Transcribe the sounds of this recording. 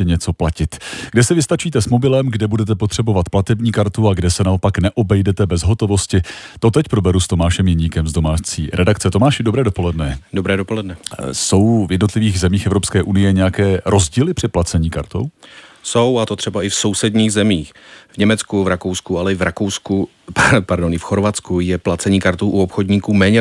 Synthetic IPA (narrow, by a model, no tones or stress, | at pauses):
ɛɲɛt͡so̞placɪt̪ɡdɛsɛvɪst̪at͡ʃiːt̪ɛsmo̞bɪlɛmɡdɛbudɛt̪ɛp̬o̞t̪r̝̥ɛbovat̪plat̪ɛbɲiːkaɾt̪uaɡdɛsɛnao̞paknɛʔo̞bɛjdɛt̪ɛbɛzɦo̞t̪o̞vo̞scɪt̪o̞t̪ɛcpɾo̞bɛɾust̪o̞maːʃɛmjɛɲikɛmzdo̞maːt͡sḭːɾɛdakt͡sɛt̪o̞maːʃɪdo̞bɾɛːdo̞po̞lɛdnɛdobɾɛːdopo̞lɛdnɛso̞wvjɛdno̞t̪lɪviːɣzɛmiːxɛvɾopskɛːʔunɪjɛɲɛjakɛːɾʔo̞zɟiːlɪpr̝̥ɪt̪̚plat͡sɛɲiːkaɾt̪o̞̰wsowat̪ot̪r̝̥ɛbaɪfso̞wsɛdɲiːɣzɛmiːxvɲɛmɛt͡skuvɾakowskualɛɪvɾakowsku | paɾdonɪfxoɾvat̪t͡skujɛplat͡sɛɲiːkaɾt̪owʔuopxodɲiːkuːmɛːɲɛ